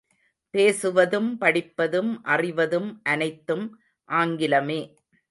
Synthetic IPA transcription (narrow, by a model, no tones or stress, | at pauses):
peːsɯʋɐðɯmpɐɽɪpːɐðɯmʔɐrɪʋɐðɯmʔɐnɐɪt̪ːɯm | ʔaːŋɡɪlɐmeː